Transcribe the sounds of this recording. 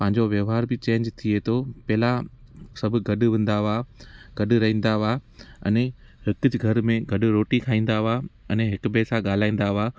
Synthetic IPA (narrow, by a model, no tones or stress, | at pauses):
pɐ̃ɦɪ̃ɲ̆d͡ʑoʋjɐʋɦaːɾbɪt͡ɕẽːɲd͡ʑt̪ʰiet̪ʰoːpɛɦlasɐbʱʊ̆ɡɐɗ̆ʋɐ̃n̆d̪aʋaɡɐɗɾɐɦĩːn̆d̪aʋaːɐne | hɪkʊd͡ʑɡʱɐɾmẽɡɐɗʊ̆ɾoːʈikʰaːĩːn̆d̪aʋaɛneɦɪkpɛːsaɠaːl̤aːĩːn̆d̪aʋaː